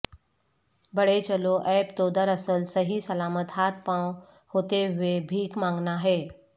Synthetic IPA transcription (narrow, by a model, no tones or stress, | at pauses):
bəɽet͡ʃəloʔɛːpt̪oːd̪əɾəsəlsəɦisəlaːmət̪ɦaːt̪̚ʰpãw | hot̪eɦʊebʱiːkmãːŋɡnaɦeː